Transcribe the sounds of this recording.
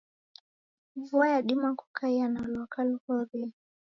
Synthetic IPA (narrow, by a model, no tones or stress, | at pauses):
vuajaɗimaku̥kʰaianalwakalhɔɾɛ